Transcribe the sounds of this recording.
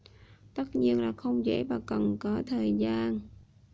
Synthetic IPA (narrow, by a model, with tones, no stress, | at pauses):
t̪ə˦˥t̚ɲi˧ənlaː˨˩xə˧wŋ͡mzḛ˧˥vaː˨˩kə˨˩nkɔ˨˦t̪ʰəː˨˩jzaː˧n